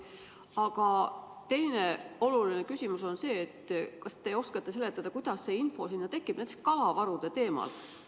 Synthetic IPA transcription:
ɑɡ̥ɑ | t̪e̞jne̞o̞luline̞kysʲimuso̞nse̞ːt̪ːkɑst̪e̞o̞skɑt̪ːˑe̞se̞le̞t̪ːˑɑd̪̥ɑkujd̪̥ɑsːe̞info̞sinːɑt̪e̞kːˑib̥nent̪eskɑlɑvɑɾud̪̥e̞t̪e̞ːmɑ̰l

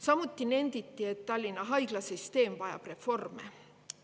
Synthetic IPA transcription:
sɑmut̪ˑːine̞nd̪it̪ːie̞t̪t̪ːɑlʲːinːɑɦɑjɡ̥lɑsist̪e̞ːmvɑjɑ̰b̥re̞fo̞rmḛ

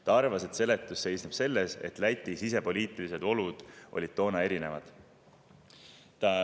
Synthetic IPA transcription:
t̪ɑɑrvɑse̞d̪se̞le̞t̪ːˑusːe̞jsnub̥se̞lːe̞se̞̰t̪ˑlæt̪ʲˑːisise̞po̞lʲiːt̪ˑilise̞d̪̥o̞lud̪̥ʔo̞̰lʲid̪̥̚t̪o̞ːnɑe̞ɾinevɑd̪̥ | t̪ɑ

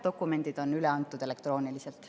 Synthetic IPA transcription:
d̥̪o̞kːˑume̞nd̪̥id̪̥o̞nyleɑnt̪ːˑud̪̥e̞lek̚t̪ro̞ːnilise̞lt̪

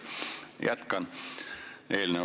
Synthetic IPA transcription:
jɑt̪kɑn | eːline

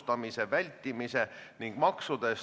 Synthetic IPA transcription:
t̪ɑmise̞vælʲt̪ːˑimise̞niŋɡ̥mɑksud̪̥e̞s

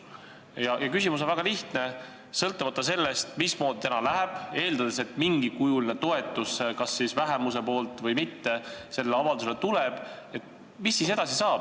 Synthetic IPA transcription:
jɑjɑkysʲimus̬onvæɡ̥ɑliht̪ne̞ | sɤlt̪ːˑumɑt̪ˑːɑse̞lːest̪mismo̞ːd̪̥it̪ænɑlæɦeb̥e̞ːld̪ɑd̪es̬e̞t̪miŋɡikujulinet̪o̞e̞t̪ːˑuskɑsːisvæɦemuse̞po̞ːlt̪ˑvɤjmit̪ːe̞se̞lːeɑvɑld̪uselet̪uleb̥ | e̞t̪ | misːiːse̞d̪̥ɑsisɑːb̥

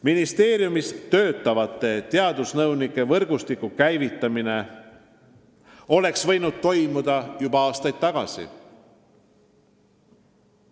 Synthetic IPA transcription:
minist̪e̞ːɾjumist̪ø̞ːt̪ːˑɑvɑt̪ːˑe̞t̪eɑd̪usnɤwnikːˑe̞vɤrɡ̥ust̪ikːukæjvit̪ːˑɑmine̞ | o̞le̞ksvɤ̞jnud̪̥̚t̪o̞jmud̪ɑjubɑɑːst̪ɑjd̪̥̚t̪ɑɡ̥ɑ̰sḭ

